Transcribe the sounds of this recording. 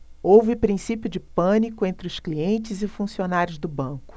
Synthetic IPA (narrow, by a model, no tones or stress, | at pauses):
owvɪpɾĩsipjʊd͡ʒɪpɐ̃nikʊẽnt̪ɾɪʊskliẽnt͡ʃɪzɪfũsionaɾjʊzd̪ʊbɐ̃kʊ̥